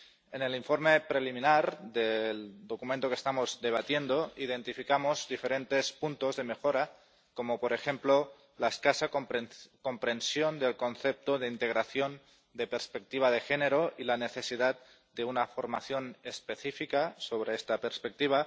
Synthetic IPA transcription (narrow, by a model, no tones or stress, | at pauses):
ene̞liɱfo̞ɾmepɾelimĩnaɾd̪eld̪okumẽnt̪okest̪amo̞zd̪e̞β̞at̪je̞nd̪oið̞e̞nt̪ifikamozdife̞ɾe̞nt̪e̞spunt̪ozðemexoɾa | komopoɾe̞xe̞mplo | laeskasakopko̞mpɾe̞nsjond̪elko̞nθep̚t̪oðeint̪e̞ɣ̞ɾaθjon | d̪epeɾspek̚t̪iβ̞að̞e̞xene̞ɾoilane̞θe̞siðat̪̚ | d̪e̞unafoɾma̰θjo̞nespe̞θifikasoβ̞ɾeest̪apeɾspek̚t̪iβ̞a